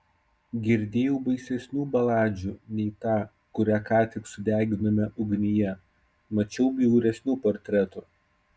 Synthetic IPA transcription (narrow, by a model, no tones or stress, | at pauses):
ɡʲɪɾʲd̪ʲeːjɛʊbɐɪsʲɛsʲnʲuːbɐlˠɑːd͡ʒʲuːnʲɛɪt̪ɑː | kʊɾʲæːkɑːt̪ʲɪksʊd̪ʲæːɡʲɪnɐmʲɛʊɡnʲɪjɛ | mɐt͡ʃʲɛʊbʲɪʊɾʲɛsʲnʲuːpɔɾʲt̪ʲɾʲɛt̪uːˑ